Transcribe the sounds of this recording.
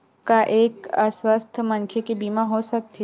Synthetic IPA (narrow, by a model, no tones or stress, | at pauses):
kaʔeːkəswəst̪ʰmɐ̃nkʰekebiːmãɦosɐk̚t̪ʰe